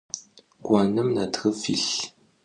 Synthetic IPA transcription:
ɡʷanəmnatʰxəfḭɬ

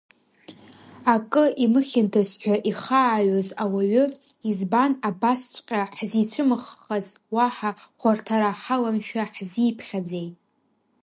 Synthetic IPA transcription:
akʼɨʔimɨχʲɪntʰasħʷᶣaʔiχaːɥozawaɥʏizbanabast͡ʃʷʼqʲʼaħzit͡ɕʷʰɨmɨχːazwaħaχʷartʰaɾaħalamʃᶣaħziːpʰχʲad͡zejtʼ

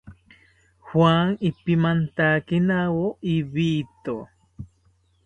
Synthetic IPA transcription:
xwaŋipimant̪akinawoiβit̪o

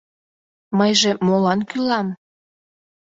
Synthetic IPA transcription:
məjʒemolɑnkylɑm

